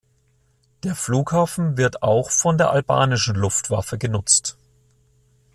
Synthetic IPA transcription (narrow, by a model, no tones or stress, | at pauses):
d̥eːɐfluːkhaːfn̩vɪɐtaʊxfɔndeːɐʔalba̰ːnɪʃn̩lʊftv̥a̰fəɡənʊt͡st